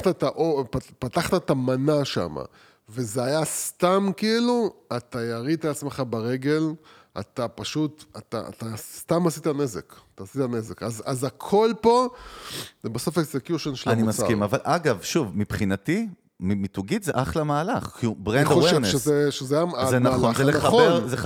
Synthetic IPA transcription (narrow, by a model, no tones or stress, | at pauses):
taet̪aʔoppat̪aχt̪aet̪amanaʃa̰ma̰ | ve̞zeajast̪amkiiluat̪ajaʁit̪aat͡smeχabaʁe̞ɡe̞l | a̰t̪apaʃut̪at̪a̰a̰t̪ast̪amasit̪ane̞zḛkt̪aːsit̪ane̞zekazazakʰo̞lpo̞ | baso̞feksekjuʃenʃelanimaskimavalʔaɡavʃuvmipχinati | mimituɡitzḛʔaχlamaːlaχkiubʁenddowʃenʃezeʃezeajaazzemnaloanχzelenaaeʁze